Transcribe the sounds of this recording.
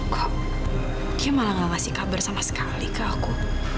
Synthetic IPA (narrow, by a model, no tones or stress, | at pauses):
kʰa | kiamalaŋaŋasikabərsamasə̥kalikaːku